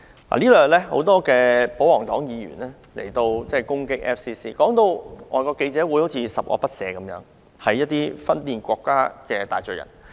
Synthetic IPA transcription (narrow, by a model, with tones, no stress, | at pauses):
la̰˨liː˥lɔː˨˩ɐ˨t̚lɛː˥ho̰˨˥wt̪ɔː˥kɛː˧po˨˥wɔː˨˩ŋt̪ɔː˨˥ŋjiː˨˧ɥy̰ː˨˩nlɛː˥ | lḛ˨˩jt̪o˧wt͡sɛː˥˩kʊ˥ŋkɪ˥k̚ʔɛ̰˥fsiː˥siː˥kɔː˨˥ŋt̪o˧wŋɔː˨˧jkɔː˧ke˧jt͡sɛː˨˥wu˨˧˥jho˨˥wt͡sʰiː˨˧sɐ˨˩p̚ʔɔ̰ː˧pɐ˥t̚sɛː˨˧kɐ˨˥mjœː˨˥ŋ | hɐ˨˩jːɐ˥t̚t̪iː˥fɐ˥nliː˨˩nkʷɔː˧kːaː˥kɛː˧t̪aː˨jt͡ʃɵ˨˩jɐ̰˨˩n